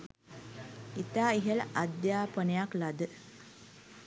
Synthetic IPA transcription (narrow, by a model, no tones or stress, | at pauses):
it̪aːiɦələʔad̪jaːpənejaklad̪ə